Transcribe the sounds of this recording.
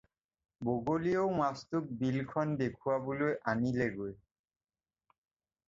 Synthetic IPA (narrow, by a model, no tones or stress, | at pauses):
boɡoliowmast̪uk̚bilkʰɔnd̪ekʰuwabulojʔanileɡoj